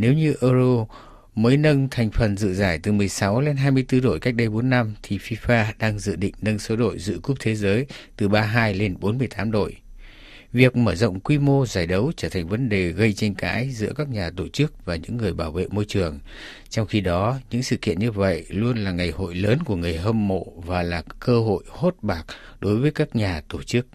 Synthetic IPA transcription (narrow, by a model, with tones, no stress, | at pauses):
ne˨˦wɲɨ˧ʔəː˧zo˧ | məː˨˦jnə˧ŋt̪ʰa˨˩jŋ̟fə˨˩nzɨ̰˧˨zaː˧˩jt̪ɨ˨˩mɨ˨˩əjsa˨˦wle˧nɦaː˧jmɨ˧əjt̪ɨ˧ɗo̰˧˨jka˦˥k̚ɗə˧jɓo˨˦nːa˧mt̪ʰi˨˩fi˧faː˧ɗaː˧ŋzɨ̰˧˨ɗḭ̈˧˨ŋ̟nə˧ŋso˨˦ɗo̰˧˨jzɨ̰˧˥əku˦˥p̚t̪ʰe˨˦zəː˨˦jt̪ɨ˨˩ɓaː˧ɦaː˧jle˧nɓo˨˦nmɨ˧əjt̪aː˨˦mɗo̰˧˨j | vi˨˩ək̚məː˧˩zə̰˧˨wŋ͡mkwi˧mo˧zaː˧˩jɗə˨˦wt͡ɕəː˧˩t̪ʰa˨˩ŋ̟və˨˦nɗe˨˩ɣə˧jt͡ɕɛ˧ŋ̟ka̰ː˨˦jzɨ̰˧˥əkaː˦˥k̚ɲaː˨˩t̪o˧˩t͡ɕɨ˦˥k̚vaː˨˩ɲɨ̰˧˥ŋːɨ˨˩əjɓaː˧˩wvḛ˧˨mo˧jt͡ɕɨ˨˩əŋ | t͡ɕɔ˧wŋ͡mxi˧ɗɔ˨˦ɲɨ̰˧˥ŋsɨ̰˧˨kḭ˧˨ənɲɨ˧və̰˧˨jlu˧ənlaː˨˩ŋa˨˩jho̰˧˨jləː˨˦nku˧˩əŋɨ˨˩əjɦə˧mːo̰˧˨vaː˨˩laː˨˩kəː˧ɦo̰˧˨jho˦˥t̚ɓaː˨˩k̚ɗo˨˦jvəː˨˦jkaː˦˥k̚ɲaː˨˩t̪o˧˩t͡ɕɨ˦˥k̚